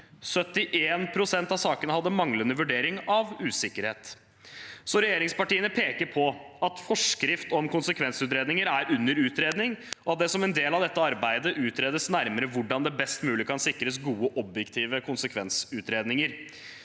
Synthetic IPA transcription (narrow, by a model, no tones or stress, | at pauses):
sœt̪ːɪʔeːnpʰɾʊsɛnt̪ɑʋsɑːkənəhɑd̪ːəmɑŋlənəʋʉɖeːɾɪŋɑʋʉːsɪkːəɾheːt̪ | sɔɾɛjeːɾɪŋspɑʈiːənəpʰeːkəɾpʰɔɑt̪fɔʂkɾɪft̪ɔmkʊnsəkʰʋɛnsʉːt̪ɾeːd̪nɪŋəɾæɾʉnːəɾʉːt̪ɾeːd̪nɪŋɔɑt̪̚d̪ɛsɔmɛnd̪eːlɑʋd̪ɛt̪ːəɑɾbæɪd̪əʔʉːt̪ɾeːd̪əsnæɾməɾəʋʊɖɑnd̪ɛbɛst̪mʉːlɪkʰɑnsɪkɾəs̬ɡuːəʔɔbjɛkt̪ʰiːʋəkʰʊnsəkʰʋɛnsʉːt̪ɾeːd̪nɪŋəɾ